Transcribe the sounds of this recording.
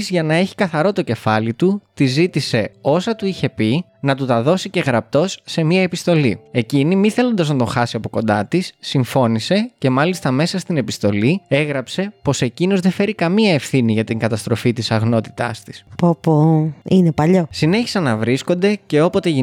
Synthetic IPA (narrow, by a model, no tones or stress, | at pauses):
zʝɐnɐe̞çi̥kɐθɐɾo̞t̪o̞ce̞fɐlit̪ut̪izit̪ise̞o̞sɐt̪uiçe̞pinɐt̪ut̪ɐðo̞sice̞ɣɾɐp̚t̪o̞sːe̞miɐe̞pist̪o̞lie̞cinimiθe̞lo̞nd̪ɐznɐt̪o̞xɐsiɐpo̞ko̞̰nd̪ɐ̰t̪isːiɱfo̞nise̞ce̞mɐlist̪ɐme̞sɐst̪ine̞pist̪o̞lie̞ɣɾɐpse̞po̞se̞cino̞zðefe̞ɾikɐmiɐe̞fθiniʝɐt̪iŋɡɐt̪ɐst̪ɾo̞fit̪isɐɣno̞t̪i̥t̪ɐ̰st̪i̥spopoinepɐʎo̞sine̞çi̥sɐnɐvɾisko̞nd̪e̞ce̞o̞po̞t̪e̞ʝi